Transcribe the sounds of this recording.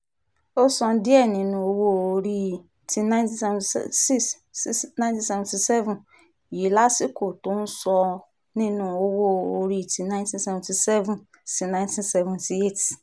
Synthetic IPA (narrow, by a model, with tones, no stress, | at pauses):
o˦sɔ̃˧n̩˦di˦ɛ˦˨nĩ˧nũ˧o˧wo˦o˧ɾi˦ | ti˧nã˦nti˦sɛ˦ṽsi˦s | nã˦ntĩ˦sɛ˦vɛ̃˨ti˧sɛ˦vũ˨ | ji˨˦la˦si˦ko˨tõ˦n̩˦sɔ˧ | nĩ˦nũ˧˦o˧wo˦o˧ɾi˦˨ti˨nã˦j̃ntĩ˦n˦sɛ˦vɛ̃˨ti˨sɛ˦vũ˨n | si˧nã˦ɪ̃˦ntĩ˦nsɛ˦vũ˨nti˨e˦˨ti̥˨